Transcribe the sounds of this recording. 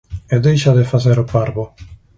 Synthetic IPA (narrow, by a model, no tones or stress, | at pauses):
eðejʃaðɪfaθeɾʊpaɾβʊ